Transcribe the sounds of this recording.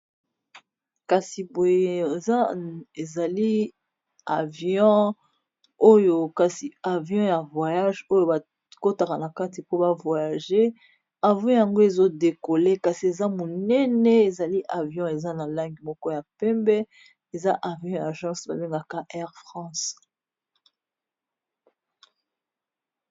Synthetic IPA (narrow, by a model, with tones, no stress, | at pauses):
ka˨si˨bo˨je˦˨za˦e˨za˨li˦ | a˨vjɔ̃˦ | o˦jo˨ka˨si˨a˨vjɔ̃˦ja˨vwa˨ja˦ʒo˦jo˨ba˨ | ko˦ta˨ka˨na˨ka˦ti˨po˦ba˦vwa˨ja˨ʒe˦ | a˨vjɔ̃˦ja˨ŋɡo˦e˨zo˦de˨ko˨le˦ka˨si˨e˨za˦mo˨nɛ˦nɛ˦e˨za˨li˦ʔa˨vjɔ̃˦e˨za˦na˨la˦ŋɡi˨mɔ˦kɔ˦ja˨pɛ˦mbɛ˦ | e˨za˦ʔa˨vjɔ̃˦ja˨ʒɑ̃˦sba˨be˦ŋɡa˨ka˦ʔɛ˦ʁfʁɑ̃˦s